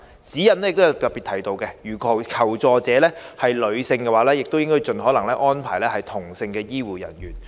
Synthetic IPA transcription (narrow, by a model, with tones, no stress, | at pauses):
t͡siː˨˥jɐ˨˩nɛ˥jɪ˨k̚t̪jt̪ɐ˨tpiː˨t̪ʰɐ˨˥jt̪o˧wkɛ˧jyː˨˩kʰɔː˨˩kʰɐ˨˩wt͡sɔː˨t͡sɛː˨˧lɛː˥hɐ˨jlɵ˨˧ɥsɪ˧ŋkɛː˧waː˨˥lɛː˥jɪ˨k̚t̪o˥wjɪ˥ŋkɔː˥jt͡ʃɵ˨nɦɔː˨˥lɐ˨˩ŋlɛː˥ʔɔː˥npʰaː˨˩jlɛː˥hɐ˨jt̪ʰʊ˨˩ŋsɪ˧ŋkɛː˧jiː˥wuː˨˩jɐ̰˨˩njyː˨˩n